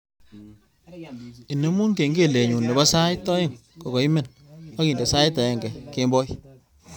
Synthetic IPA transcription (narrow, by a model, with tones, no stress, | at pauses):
i˨ne˦mu˦nke˨ŋɡe˦˨le˨ɲu˨nːe˨bɔ˦sa˦jtɔ˦ɪ˦˨ŋkɔ˨kɔ˨i˦me˦˨n | a˦ki˨nde˨sa˦jtɔ˨jɛ˨ŋɡɛ˨ke˦mbɔ˦j